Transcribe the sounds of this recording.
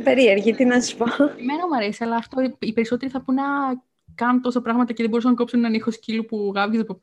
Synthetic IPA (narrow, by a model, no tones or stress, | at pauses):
peɾieɾʝit̪inɐsi̥pomenomɐɾesiɐlɐːft̪oipeɾiso̞t̪eɾiθɐpunɐ | kɐnt̪o̞sɐpɾɐɣmɐt̪ɐceðebo̞ɾus̬ɐnɐkopsunenɐnixo̞scilupuɣɐvʝit̪po